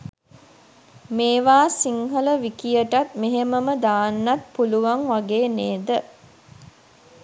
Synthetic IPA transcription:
meːʋaːsiŋɦələʋikijəʈat̪meɦeməməd̪aːnːat̪̚puluʋaŋʋaɡeːneːd̪ə

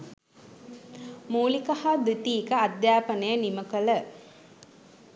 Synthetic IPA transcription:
muːlikahad̪ut̪iːkəad̪jaːpənəjəniməkələ

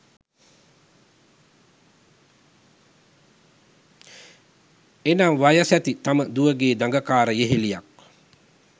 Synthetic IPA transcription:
enaŋʋajəsɛt̪it̪aməd̪uʋəɡeːd̪aŋɡəkaːɾəjeɦelijak̚

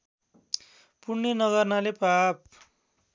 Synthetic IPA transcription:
purnʌnʌɣʌrnalepap̚

